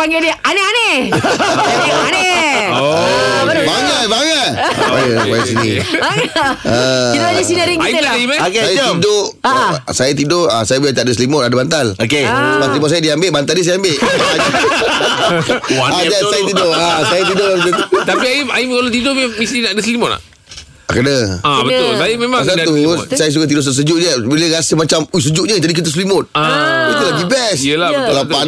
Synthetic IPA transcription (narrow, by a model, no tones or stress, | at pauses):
paŋɡedianeane | ane | baŋət̪̚baŋət̪̚o̰jabajsinḭaəiadəsinaɾiŋaiiadaimakajidoʔsajat̪idoasajablat̪aʔdəslimɔadabant̪alokeumaslimɔs̬ajadiambeʔbant̪aldisajaambeʔa | ad͡ʒasajat̪idoasajat̪idoət̪t̪apiaiaikalat̪̬idomemisinaʔdəslimɔtna̰ | kənəabət̪ʊlsajəmemasat̪usajəs̬ukat̪idʊʔss̬əd͡ʒʊʔɲəbiləɾasəmat͡ʃamus̬əd͡ʒʊʔɲəd͡ʒadik̬it̪̬əs̬limɔt̪̚ait̪ulaɡibɛsəlabkalat̪a